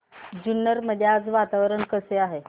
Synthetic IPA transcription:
d͡ʑunːəɾməd̪ʱjad͡zʋat̪aʋɾənkəseaɦe

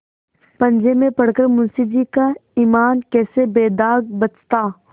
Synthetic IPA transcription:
pɐ̃nd͡ʒemẽpɐɽ̤kəɾmʊ̃nsid͡ʒikaiːmaːnkɛːsebeːd̪aːɡ̚bɐt͡ʃt̪aː

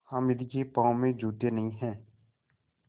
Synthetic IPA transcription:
həmɪd̪ɡepãːõmẽd͡ʒʱuːt̪enəɦĩɦɛ̃ː

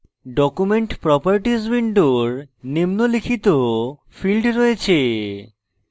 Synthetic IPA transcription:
ɖɔkumeɳʈpɾɔpaɾʈisbiɳɖoɾnimnolikʰit̪o | filɖɾɔet͡ɕʰe

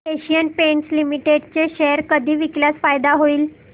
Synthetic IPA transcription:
eɕijənpeɳʈslimiʈeɖt͡ɕeɕɛɾkəd̪ʱiːʋikljasfajd̪aɦoiːl

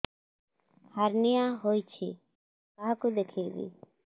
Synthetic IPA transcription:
həɾnɪjãːɦoːit͡ʃʰḭː | kaɦkud̪ekʰeːɡḭː

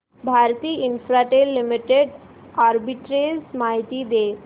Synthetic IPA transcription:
bʱaɾt̪iːinfɾaʈelːimiʈeɖ | aɾbiʈɾesmaɦit̪id̪e

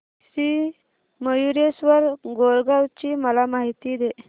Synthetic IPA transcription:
si | məjuɾesʋəɾɡolɡawt͡ɕiməlamaɦit̪id̪e

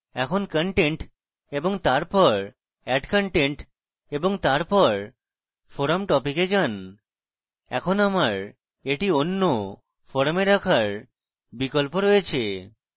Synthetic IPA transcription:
ɛkʰonkəɳʈeɳʈ | eboŋt̪aɾpɔɾ | ɛɖkəɳʈeɳʈ | eboŋt̪aɾpɔɾ | foɾamʈɔpiked͡ʑan | ɛ̰kʰonamaɾ | eʈionːo | fɔɾmeɾakʰaɾ | bikolpoɾojet͡ɕʰe

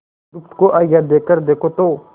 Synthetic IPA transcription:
ʊkt̪koʔaːjad̪eːkəɾd̪eːkʰot̪oː

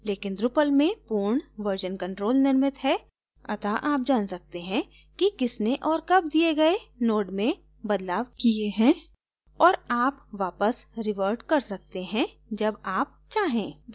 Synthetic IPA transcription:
leːkɪnd̪ɾʊpəlmẽpuːɾɳʋəɾd͡ʒənkɐ̃ɳʈɾoːlnɪɾmɪt̪ɦɛ | ɐ̰t̪aʔaːp̚d͡ʒaːnsɐk̚t̪eɦɛ̃ | kikɪsneʔɔːɾkɐb̚d̪ieɡɐenoːɖmẽ | bɐd̪laːʋkieɦɛ̃ː | ɔːɾaːpʋaːpəsɾɪʋəɾɖkɐɾsɐk̚t̪eɦɛ̃ | d͡ʒɐbaːp̚t͡ʃaːɦẽː

